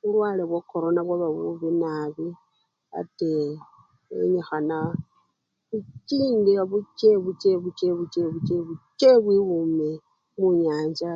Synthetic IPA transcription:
βulwaːleβwako̞ɾo̞naβwaβaβuβinaβi | a̰te | ḛɲexana | βut͡ʃiːndiaβut͡ʃeβut͡ʃeβut͡ʃeβut͡ʃeβut͡ʃeβut͡ʃeβwiɣume | muɲaːɲd͡ʒa

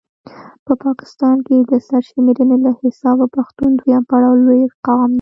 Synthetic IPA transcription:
pəpɑkɪ̥st̪ɑnked̪əsaɾʃmeɾənelahɪsɑbapaxt̪und̪ujɑmpaɽɑwlojqawɑmd̪

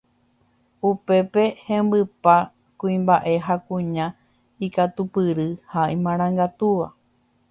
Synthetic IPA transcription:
upe̞pe̞hẽmbɨpa | kũĩmbaʔe̞ɦakũɲã | ikat̪upɨɾɨhaʔimãɾ̃ãŋɡat̪uʋa

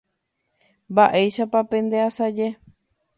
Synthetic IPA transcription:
mbaʔe̞jʃapapẽ̞nd̪easad͡ʒe

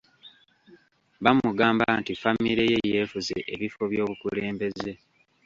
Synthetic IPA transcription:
βamuɡaːmbantifamiɾejeje̞ːfuzeʔeβifo̞βjo̞ːβukuleːmbe̞ze̞

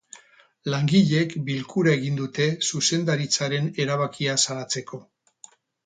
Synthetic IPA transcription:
laŋɡiʎe̞kbilkuɾae̞ɣ̞ind̪ut̪e̞suse̞nd̪aɾit͡saɾe̞ne̞ɾaβakiasalat͡se̞ko̞

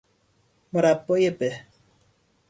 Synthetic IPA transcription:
moɾapːɔjepɛ

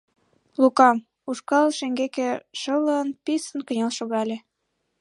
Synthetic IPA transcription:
lukɑm | uʃkɑlʃeŋɡekĕʃələnpisənkə̆nʲelʃoɣɑlʲe

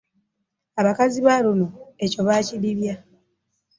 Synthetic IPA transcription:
aβakaziβalunoe̞co̞βaːciliβja

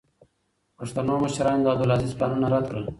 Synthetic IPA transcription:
pəʂt̪anoːməʃɾɑːnd̪aːd̪ulazizpanunaɾat̪kɽəl

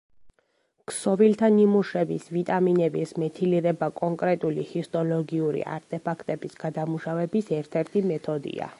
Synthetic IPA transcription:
ksɔvilt̪ʰanimuʃɛbisvit̪ʼaminɛbismɛt̪ʰiliɾɛbakʼɔŋkʼɾɛt̪ʼulḭhist̪ʼɔlɔɡiuɾḭʔa̰ɾt̪ʼɛpʰakʰt̪ʼɛbisɡ̥ad̪amuʃavɛbisɛɾt̪ʰɛɾt̪ʰimɛt̪ʰɔd̪ḭa̰

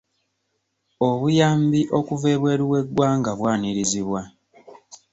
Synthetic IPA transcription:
o̞βujaːmbiʔo̞kuve̞ːβwe̞ːɾiwe̞ɡːwaːŋɡaβwaːniɾiziβwa

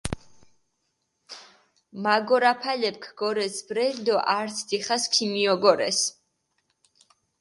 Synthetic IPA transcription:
maɡɔɾapʰalɛp̚kʰɡ̥ɔɾɛsbɾɛld̪ɔʔaɾt̪sʰd̪iχaskʰimiɔɡɔɾɛs

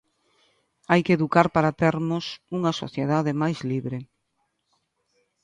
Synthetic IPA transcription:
ajkeðukaɾpaɾat̪ɛɾmʊsuŋɐso̰θjeðaðemajzliβɾe

